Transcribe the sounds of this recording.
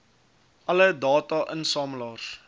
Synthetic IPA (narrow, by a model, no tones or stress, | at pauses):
ʔɐlədɑːtɑʔənsɑːməlɑːs